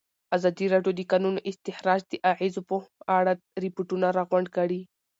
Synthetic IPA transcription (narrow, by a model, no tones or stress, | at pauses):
azɑd̪iɾɑɖjod̪əkɑnunʔɪst̪ɪhɾɑd͡ʒd̪əʔaʕizopəaɽa | ɾɪpuʈunaɾɑɣʊɳɖkaɽi